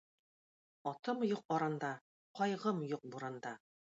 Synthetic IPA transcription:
ɒt̪ɤmjuq̚ɒɾɑnd̪ɑ | qɒjʁɤmjoq̚buɾɑnd̪ɑ

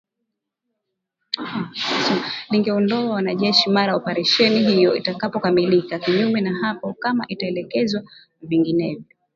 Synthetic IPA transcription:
sliŋɡɛɔndɔawanaʄɛʃimaɾajaɔpaɾɛʃɛniɦijɔitakapɔkamilikakiɲumɛnahapɔkamaʔitaɛlɛkɛzwa | viŋɡinɛvjɔ

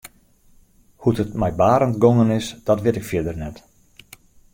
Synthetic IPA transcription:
hutətmɛjbaːɾəntɡoŋənɪsd̥ɔtʋɪtɪkfjɪədərnɛt

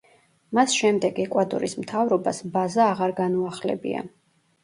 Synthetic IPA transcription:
masʃɛmd̪ɛɡɛkʼwad̪ɔ̰ɾismt̪ʰavɾɔba̰sbazaːʁaɾɡanuaχlɛ̰bḭa̰

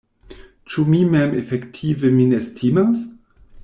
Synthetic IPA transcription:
t͡ʃumimɛmɛfɛktʰivəminɛstʰimas

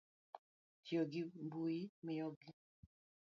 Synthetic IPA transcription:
tjɔɡimbuimejɔɡi

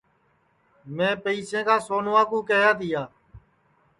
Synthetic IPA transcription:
mẽːpəiːsẽːkaːsoːnʋaːkũːkeːɦjaːt̪ijaː

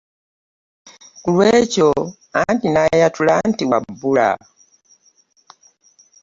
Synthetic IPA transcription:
kulwɛt͡ʃɔ | antinajatulantiwabuɾa̰

